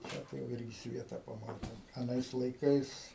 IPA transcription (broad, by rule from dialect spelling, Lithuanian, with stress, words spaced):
ˈtʲæː tɐɪ jɛʊ ˈɪrʲɡʲɪ ˈsʲʋʲiɛtɐ pɐˈmɑːtʲeːm ɐˈnɐɪs lˠɐɪˈkɐɪs